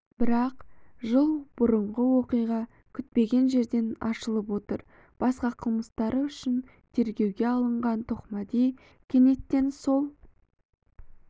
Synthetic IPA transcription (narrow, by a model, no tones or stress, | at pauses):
b̥ɪɾɑqʒəlˠb̥ʊɾəɴʁəwo̞qijʁɑ | kʲʰʏt̪̚pe̞ɡʲe̞nʒe̞ɾd̪e̞nɑ̰ʃəlˠəp̬wo̞t̪əɾ | b̥ɑsqɑqʰəlˠməst̪ɑɾəʏʃɪn | t̪ʰe̞ɾɡʲe̞wɡʲe̞ɑlˠəɴʁɑnt̪ʰoqmɑd̪ej | kʲʰe̞ne̞t̪ːe̞nso̞lˠ